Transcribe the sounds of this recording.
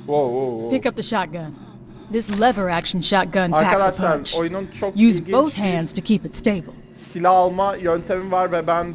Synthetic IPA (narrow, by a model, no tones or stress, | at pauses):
oopɪkʌp̚ðɨʃɑt̚ɡ̥ʌ̃n | ðɪslɛvə˞ækʃn̩ʃɑt̚ɡ̥ʌ̃naɾækad̪aʃpʰanɾt͡ʃojununt͡ʃʰokjʉzboʊθhæ̃ndz̥tʰɨkʰipɨtsteɪbl̩ˠ | silʲaːlˠmajønt̪ʰemivaɾvɛbæn